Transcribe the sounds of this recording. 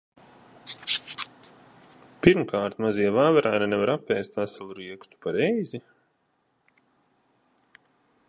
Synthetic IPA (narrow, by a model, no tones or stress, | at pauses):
piɾmkʰaːɾt̪maziɛvaːvɛɾajnanɛvaɾapʲːɛːst̪vasalˠuɾiɛkst̪u̥paɾɛjzi